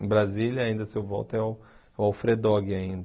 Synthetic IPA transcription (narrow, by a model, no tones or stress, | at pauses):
bɾazilɐaĩnd̪ɐsewvɔ̰wt̪ɛwɛwawfɾed̪ɔɡɪaĩnd̪